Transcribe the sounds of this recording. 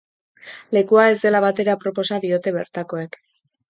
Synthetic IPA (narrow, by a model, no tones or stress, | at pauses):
le̞kuae̞zd̪e̞laβ̞at̪e̞ɾapɾo̞po̞saðio̞t̪e̞βe̞̰ɾt̪ako̞e̞k